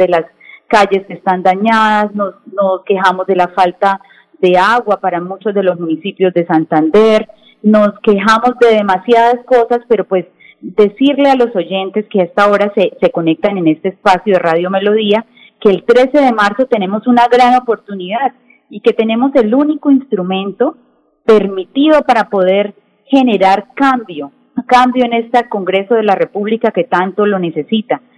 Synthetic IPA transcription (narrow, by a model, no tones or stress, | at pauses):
delas | kaʝe̞skest̪and̪aɲaðasno̞sno̞ske̞ɦamo̞zd̪e̞lafalt̪a | ðe̞aɣwapaɾamut͡ʃo̞zd̪e̞lo̞zmunisipjo̞zd̪e̞sant̪and̪e̞ɾ | no̞ske̞ɦamo̞zd̪e̞ðe̞masjaðasko̞saspe̞ɾo̞pwe̞z | d̪e̞siɾle̞alo̞so̞ʝe̞nt̪e̞skeaest̪ao̞ɾasese̞ko̞ne̞k̚t̪ane̞ne̞st̪e̞espasjoðeraðjo̞me̞lo̞ðia | ke̞ːlt̪ɾe̞se̞ðe̞maɾso̞t̪e̞ne̞mo̞sunaɣɾano̞po̞ɾt̪uniðað | ike̞t̪e̞ne̞mo̞se̞luniko̞inst̪ɾumẽ̞nt̪o̞ | pe̞ɾmit̪iðo̞paɾapo̞ðe̞ɾ | he̞ne̞ɾaɾkambjo̞ | kambjo̞ene̞st̪ako̞ŋɡɾe̞so̞ð̞e̞lare̞puβlikake̞t̪ant̪o̞lo̞ne̞se̞sit̪a